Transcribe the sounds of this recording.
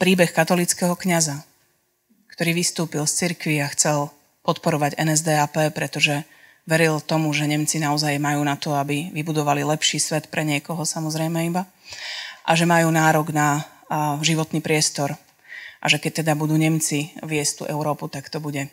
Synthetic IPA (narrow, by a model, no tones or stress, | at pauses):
pɾiːbɛxkat̪ɔlit͡skɛɦɔkɲaza | kt̪ɔɾiːʋist̪uːpilst͡siɾkʋiaxt͡sɛl | pɔt̪pɔɾɔʋaɟɛnɛzd̪ɛːaːpɛːpɾɛt̪ɔʒɛ | ʋɛɾilt̪ɔmuʒɛɲɛmt͡sinaɔzajmajuːnat̪ɔabiʋibud̪ɔʋalilɛpʃiːsʋɛt̪pɾɛɲɪɛkɔɦɔsamɔzɾɛjmɛiba | ʔaʒɛmajuːnaːɾɔɡna | ʒiʋɔt̪niːpɾɪɛst̪ɔɾ | ʔa̰ʒɛkɛc̚t̪ɛd̪abud̪uːɲɛmt͡siʋɪɛst̪ṵʔɛʊɾɔːput̪akt̪ɔbuɟɛ